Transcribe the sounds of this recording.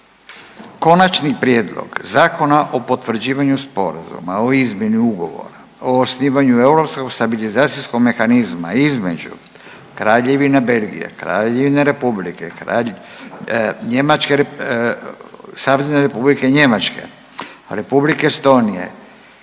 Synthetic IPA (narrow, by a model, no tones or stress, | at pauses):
ko̞nat͡ʃnipɾjed̪lˠo̰ɡzaːko̞naʔo̞po̞t̪ʋɾ̩d͡ʑiːʋaɲuspo̞ɾa̰zṵmaoizmjeniuɡo̞ʋo̞̰ɾa | oːsniːʋaɲue̞uɾo̞psko̞ɡst̪abilizaːt̪sisko̞ɡme̞xanizma̰izme̞̰d͡ʑṵ | kɾaːʎeʋinabe̞lɡḭjḛkɾa̰ːʎeʋinaɾe̞publḭkeɾa | ɲemat͡ʃke | saːʋzneɾepublikeɲe̞mat͡ʃke̞̰ | ɾe̞publikest̪o̞ːnijḛ